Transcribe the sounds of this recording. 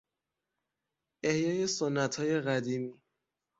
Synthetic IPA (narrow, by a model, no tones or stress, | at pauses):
ehjɒːje̞sonːæt̪ʰhɒːje̞ɣæd̪iːmiː